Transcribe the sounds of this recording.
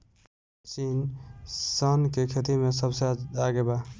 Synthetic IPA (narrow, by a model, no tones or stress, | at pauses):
t͡ʃin | sənkekʰet̪imesəbseaɡeba